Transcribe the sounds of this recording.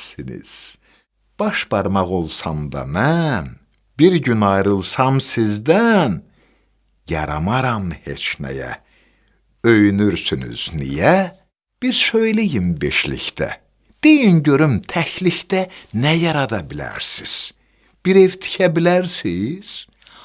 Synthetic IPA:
sinḭz̥ | b̥ɑʃb̥ɑɾmɑɣo̞lˠsɑmd̪ɑ̰mæn | b̥iɾɟynɑjɾɯlˠsɑmsizd̪æn | jɑ̰ɾɑ̰mɑɾɑmhe̞̰t͡ʃnæ̰jæ̰ | øjynyɾsyny̰z̥nḭjæ | b̥iɾsøjlijimbḛʃlḭçt̪æ̰ | d̪̥ejinɟø̞ɾymt̪ʰæçliçd̪ænæjɑɾɑd̪ɑbilæ̰ɾsiz̥ | b̥iɾevt̪ʰi̥cʰæbilæɾsiz̥

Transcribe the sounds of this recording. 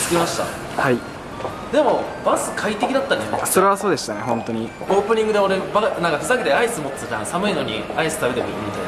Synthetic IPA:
skʲimaɕi̥t̪a̰ | hai | d̪e̞mo̞basɨ̥kʰait̪e̞kʲid̪at̪ːane̞aso̞ɾe̞βaso̞ːd̪e̞ɕi̥t̪ane̞ɦõ̞nt̪o̞ɲ̟i | o̞ːpɯ̟ɲ̟ĩŋɡɯ̟d̪eo̞ɾe̞banãŋkakɯ̥saket̪eaisɨmo̞t͡stã̰samɯ̟ino̞ɲ̟iaisɨ̥t̪aβbe̞t̪ek̪ɯimit̪a

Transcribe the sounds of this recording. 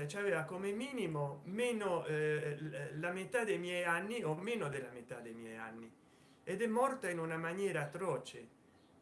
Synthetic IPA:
t͡ʃaveːvakomemiːnimomeno | lamet̪ad̪ejmjɛjanːiomenod̪elːamet̪ad̪ːejmjɛja̰nːi | ed̪ɛmːɔrt̪ainunamanjɛːɾaːt̪ːɾɔt͡ʃe

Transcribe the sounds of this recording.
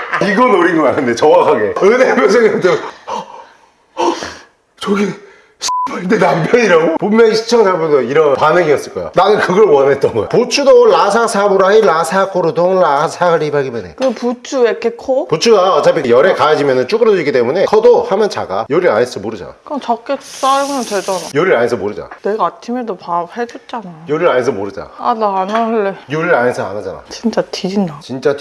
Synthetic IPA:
iɡʌnoɾiɡonanʰɯnde̞t͡ɕʌwaɦʰaɡe̞ɯnemjʌns̬ʰeŋɡʌt͈e | t͡ɕʌɡinɯ | ɕʰi̥pʌindenampjʌɲiɾaɡopommʌniɕʰi̥t͡ɕʰʌŋd͡ʑabondoiɾʌnpanɯŋiʌs͈ɯɭk͈ʌjo̰nanɯnkɯɡʌɭwʌnɦe̞t͈ʌnɡʌj̰put͡ɕʰudoɭːasʰasʰabuɾaiɭasʰak͈ʰoɾodoŋɭasʰaɡɯɭɾebaɡimʌnḛkɯput͡ɕʰuekʰekʰopot͡ɕʰuɡaʌt͡ɕ͈apʰijʌɾekajad͡ʑimjʌnɯnt͡ɕ͈uɡɯɾʌd͡ʑiɡit͈emune̞kʰʌdohamjʌnt͡ɕa̰ɡajoɾiɾa̰nes͈ʰʌmoɾɯd͡ʑa̰n̰kɯɯnt͡ɕʌk͈etus͈aɡunʌnt͡ɕed͡ʑʌnajoɾiɾanesʰʌmoɾɯd͡ʑa̰neɡaːt͡ɕʰimedopaphed͡ʑot̚t͡ɕ͈anaojʌɾiɾanes̬ʰʌmoɾɯd͡ʑa̰anaːnaɯɭːejoɾiɾanesʰʌa̰nad͡ʑana̰t͡ɕint͡ɕ͈atʰiɾinat͡ɕint͡ɕ͈a

